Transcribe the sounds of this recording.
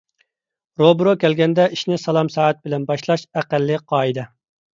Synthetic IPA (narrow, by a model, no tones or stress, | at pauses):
ɾobɾokʲʰɛlɡʲɛnd̪ɛiʃnɪsɑlˠɑmsɑːæt̪̚bɪlɛnbɑʃlˠɑʃæqælːɪqʰɑːid̪ɨ